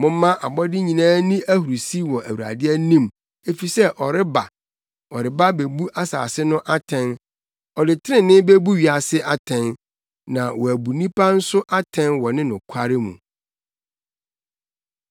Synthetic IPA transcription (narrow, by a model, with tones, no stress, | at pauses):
mʊ̃˦m˦mã˦ʔa˨bɔ˦dɪ˦ɲĩ˨nãː˦nĩ˦ʔæ˦hu˨ɾu˨si˦wɔ˨ʔæ˨wu˨ɾa̰˨dɪ˦ɛ˦nĩ˦˨m | e˨fi˨sɛ˦ʔɔ˨ɾɪ˦ba̰˨ | ɔ˨ɾɪ˨ba˦be˨bu˦ʔa˦sa̰ː˨sɪ˦nʊ̃˦ʔa˦tʰɛ̃˦n | ɔ˨dɪ˨tʰɪ˦ɪ̃˦nɪ̃˦be˦bu˦ɥi˨a˨sɪ˦ʔa˨tʰɛ̃˨n | nã˨wɔ˨æ˨bu˨nĩ˦pʰa˦n̩˦sʊ˦ʔa˦tʰɛ̃˦nwɔ˨nɪ̃˦nʊ̃˨kʷʰa˦ɾɪ˦mṵ̃˨